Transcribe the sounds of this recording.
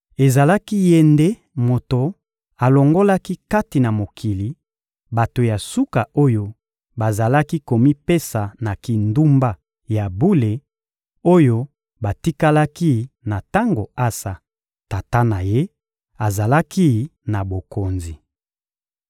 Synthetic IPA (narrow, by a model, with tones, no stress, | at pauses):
e˨za˨la˦ki˦je˦nde˦ | mo˨to˨ | a˨lo˨ŋɡo˦la˦ki˦ka˦ti˨na˨mo˨kʰi˨li˨ | ba˨to˨ja˨su˦ka˨o˦jo˦ | ba˨za˨la˦ki˦ko˨mi˦pe˦sa˨na˨ki˨ndu˦mba˦ | ja˨bu˦le˨ | o˦jo˦ | ba˨ti˦ka˦la˦ki˦na˨ta˦ŋɡo˨a˦sa˨ | ta˨ta˦na˨je˦ | a˨za˨la˦ki˦na˨bo˨ko˨nzi˨